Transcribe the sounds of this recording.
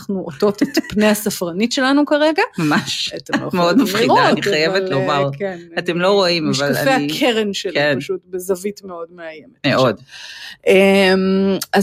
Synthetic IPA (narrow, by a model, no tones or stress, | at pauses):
χnuʔoto̞tetpnejhasafʁanitʃe̞lanukaʁe̞ɡamamaʃatemmeod̪mafχidoaːniχajevetlomaʁkenɐtemlo̞ʁoimavalafeakʰeʁenʃelkepaʃutbezavitmeo̞dmeajemetmeodʔema